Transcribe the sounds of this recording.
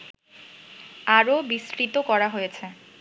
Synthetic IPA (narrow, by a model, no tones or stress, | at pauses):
aɾobisɾit̪okɔɾaɦojet͡ɕʰe